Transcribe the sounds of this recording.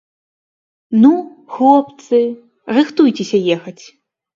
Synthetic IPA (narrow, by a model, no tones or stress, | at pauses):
nuxɔpt̪sɨ | rɨxt̪ujt͡sʲesʲɐjɛxɐt͡sʲ